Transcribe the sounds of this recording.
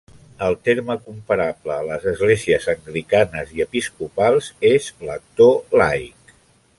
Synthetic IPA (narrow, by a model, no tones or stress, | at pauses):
əlˠt̪eɾməkumpəɾabləːləzəzɣleziəzəŋɡɾikanəziəpiskupalˠzezlək̚t̪olajk